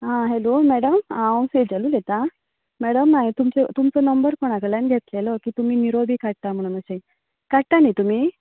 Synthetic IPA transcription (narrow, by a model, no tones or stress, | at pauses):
ɦãɦelomɛɽəmãw̃sed͡zalulet̪a | mɛɽəmnaɦit̪umt͡set̪umt͡sɔnəmbəɾkoɽ̃akəɭjanɡʱet̪lelɔkiːt̪um̤iːniɾobʱiːkaɽ̚t̪am̤əɽ̃unəɕej | kaɽt̪anit̪um̤i